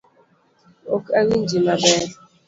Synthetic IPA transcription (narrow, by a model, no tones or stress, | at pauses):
okaɣin̩d͡ʒimabeɾ